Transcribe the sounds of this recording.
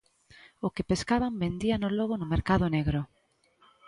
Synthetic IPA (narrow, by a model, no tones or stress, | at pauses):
ʊkepeskaβambend̪ianolɔɣonʊmeɾkaðʊneɣɾʊ